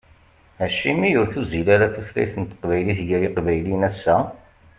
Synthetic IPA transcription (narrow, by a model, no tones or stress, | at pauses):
æʃimijʊɾθuzilaɾaθuθlæ̰jθənt̪ːə̥qvæjliθʝæɾiqvæjlinæsːæ